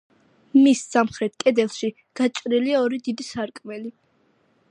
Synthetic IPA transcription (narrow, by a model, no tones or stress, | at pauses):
misːamχɾɛt̪̚ʰkʼɛd̪ɛlˠʃi | ɡ̥at͡ʃʼɾiliaɔɾid̪id̪isaɾkʼmɛli